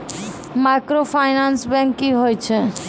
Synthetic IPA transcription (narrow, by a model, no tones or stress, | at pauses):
makɾopʰajnansbɛ̃ŋkːiɦojt͡ʃʰɛ